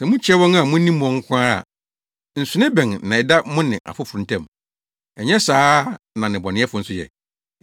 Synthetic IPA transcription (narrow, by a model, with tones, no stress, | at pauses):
sɛ˨mʊ̃˦t͡ɕʰɛ˦wɔ̃˦na˨mʊ̃˦nĩ˦m˨ɔ̃˨ŋ̩˦kʷʰʊ˦aː˦ɾa̰˨ | n̩˨sʊ˨nɪ̃˦bɛ̃˨ŋ˨nã˨ɛ˨da˦mʊ̃˦nɪ̃˨ʔa̰˨fʊ˦fʊ˨ɾʊ̃˨tʰɛ̃˦˨m | ɛ˨ɲɛ˦saː˦ | nã˨nɪ̃˨bɔ˨nɪ̃˦ɛ˦fʊ˨˦n̩˦sʊ˦jɛ̰˨